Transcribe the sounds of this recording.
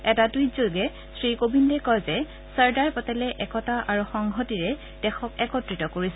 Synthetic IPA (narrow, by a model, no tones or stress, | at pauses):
ɛtadujzoɡɛ | sɹikobindɛkɔjzɛ | səɹdaɹpɔtɛlɛʔɛkɔtaʔaɹuxɔŋɦɔtiɹɛ | d̥ɛxɔkɛkɔtɹitɔkoɹisɛ